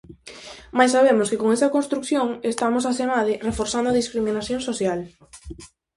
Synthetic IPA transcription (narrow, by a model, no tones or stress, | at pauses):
majsaβ̞emoskekoŋesɐkonst̪ɾukθjoŋest̪amos̬asemaðɪrefoɾθand̪ʊaðiskɾiminaθjõŋsoθjal